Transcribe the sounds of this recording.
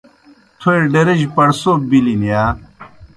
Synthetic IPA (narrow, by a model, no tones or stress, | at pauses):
t̪ʰoeɖeɾeʑpɐɽsobilinijaː